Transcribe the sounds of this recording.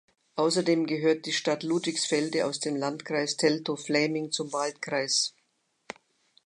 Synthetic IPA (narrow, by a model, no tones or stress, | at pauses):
ʔaʊsɐdeːmɡəɦøːɐt̚d̥iːʃtatluːtv̥ɪçsfɛldəa̰ʊsd̥eːmlantkʁ̥aɪstʰɛltoflɛːmɪŋt͡sʊmvaltkʁ̥aɪs